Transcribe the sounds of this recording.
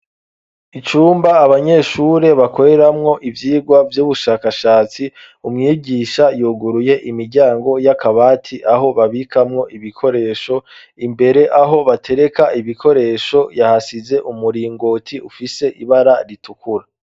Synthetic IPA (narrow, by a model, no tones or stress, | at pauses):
it͡ʃuːmbaːβaɲe̞ʃuːɾe̞βako̞ɾe̞ɾamŋo̞ʔivjiːɡwavjuːβuʃaːkaʃaːt͡si | umŋiːɟiːʃajuːɡuɾuje̞ʔimiɾɟaːŋɡo̞jakaβaːtʰiʔaɦo̞βaβikʰamŋo̞ʔiβikʰo̞ɾe̞ːʃo̞ | imbe̞ɾe̞ʔaɦo̞βatʰe̞ɾe̞kaiβikʰo̞ɾe̞ːʃo̞jahasize̞ʔumuɾiːŋɡoːtʰiufise̞ʔiβaɾaɾitukuɾa